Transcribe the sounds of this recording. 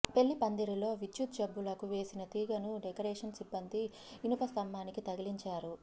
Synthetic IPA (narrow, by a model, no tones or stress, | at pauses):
pe̞ɭːipɐnd̪iɾilo̞ːʋit͡ʃːut̪d͡ʒɐbːulɐkuʋe̞ːsinɐt̪iːɡɐnuɖekɐɾeːʂɐnsibːɐnd̪iː | nupɐst̪ɐmːaːnikit̪ɐɡiliɲt͡ʃaːɾu